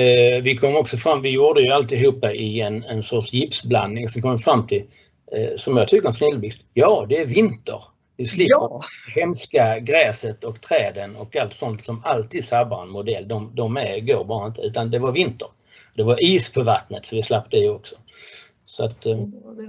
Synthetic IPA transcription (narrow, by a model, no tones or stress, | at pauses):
vɪkʰɔmːɔksɔfɾamːvɪjuːd̪əjɵalt̪ɪɦuːpːaʔɪɛnɛnsɔʈʂjɪpsbla̰nd̪nɪŋsɔmkʰɔmːəfɾamːt̪ʰɪl | sɔmjɑɡt̪ʰʏkːəɾɛnsnɪlːbɪst̪jɑːd̪ɛæɾvɪnt̪ə̰ɾ | vɪslɪhɛmskaɡɾɛːsət̪ɔkt̪ʰɾɛːd̪ənɔkalt̪sɔnt̪sɔmalt̪ʰiːd̪sabaɾɛnmʊd̪ɛlːd̪ɔmd̪ɔmæɾɡoːɾbɑːɾaɪnt̪əʉ̟ːt̪and̪ɛvaɾvɪnt̪əɾ | d̪ɛvaɾiːspʰɔvat̪nət̪sɔvɪslap̚ːt̪əɪjɔksɔ̥ | sɔat̪